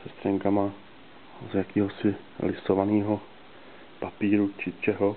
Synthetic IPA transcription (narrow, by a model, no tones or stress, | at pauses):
sɛst̪r̥ɛŋkama | zjakiːɦo̞sɪ | lɪsovaniːɦo̞ | papiːɾut͡ʃɪt͡ʃɛɦo